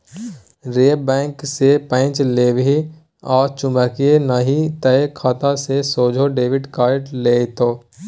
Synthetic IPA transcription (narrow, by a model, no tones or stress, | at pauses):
ɾeːbɛ̃ːŋksepə̃ɪt͡ʃleːʋi | ɔːɾt͡ʃʊ̃mbəːkienaɦit̪əekʰaːt̪asesoːd͡ʒʱoɖeːʋɪɖkaːɾʈleːt̪oː